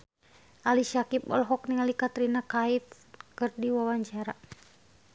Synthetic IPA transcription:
ʔalisakipɔ̰lɦɔk̚niŋalikat̪ɾinakait̪̚ | kɨrdiwawaɲt͡ʃaɾa

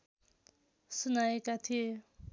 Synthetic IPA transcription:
sunajekat̪ʰie

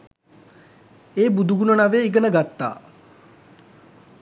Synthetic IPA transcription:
eːbud̪uɡunənaʋeːiɡənəɡat̪ːa̰ː

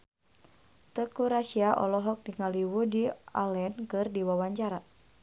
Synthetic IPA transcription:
t̪əkuɾasiaʔɔ̰lɔɦɔk̚diŋaliwudialɛnkɨrdiwawaɲt͡ʃaɾa

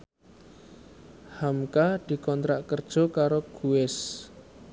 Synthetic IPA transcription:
hamkad̪̥i̤kɔnt̪ɾaʔkərd̥ʒ̥ɔ̤kaɾoɡ̥uɪs

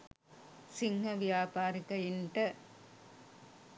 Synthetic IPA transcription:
sɪŋhɐʋɪjaːpaːɾɪkɐjɪɳʈɐ

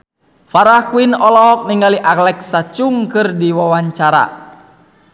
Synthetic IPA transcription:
faɾahkuinɔlɔɦɔk̚niŋɡaliʔaklɛk̚sat͡ʃuŋkɨrdiwawaɲt͡ʃaɾa̰

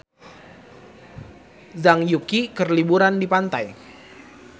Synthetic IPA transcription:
zaŋjukikərlibuɾandipant̪aj

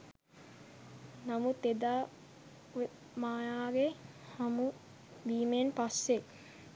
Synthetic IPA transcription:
namut̪ed̪aː | e | maːjaːɡe | hamu | biːmenpasːe

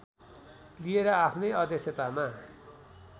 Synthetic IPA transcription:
lieɾʌapʰnʌjʌd̪esjʌt̪ama

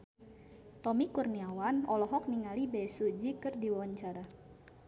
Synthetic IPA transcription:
t̪ɔmikurniawanɔlɔɦɔk̚niŋalibasud͡ʒikɨrdiwawaɲt͡ʃaɾa

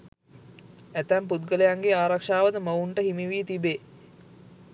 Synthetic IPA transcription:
æt̪æmput̪̚ɡəlejaŋɡeaːɾakʂaːʋəd̪əməuɳʈəhimiʋiːt̪ibe

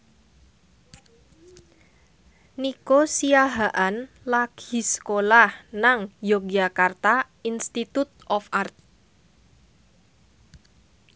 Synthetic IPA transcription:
nikosiaɦaʔan | laɡ̥i̤skolahnaŋjok̚d͡ʒakart̪a | inst̪it̪ut̪̚ɔfʔart̪̚

